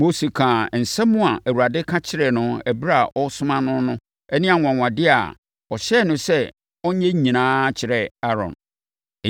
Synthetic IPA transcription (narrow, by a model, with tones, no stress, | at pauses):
mo˦se˨kʰãː˨n̩˨sɛ̃˦mʊ̃˦a˨ʔæ˨wu˨ɾa˨dɪ˦kʰã˦t͡ɕʰɪ˦ɾɛ˨nʊ̃˨æ˨bɾa˨ʔɔ˦sʊ̃˦mã˦nʊ̃˦nʊ̃˦ | ɛ˦nɪ̃˦a˨ŋʷã˨ŋʷ˨ã˨dɪ˦a̰˨ | ɔ˨ɕɛ˦˨nʊ̃˦sɛ˦ | ɔ˦ɲ˦ɲɛ̃˦ɲĩ˨nãː˦t͡ɕʰɪ˨ɾɛ˨a˦ɾɔ̰̃˨n˨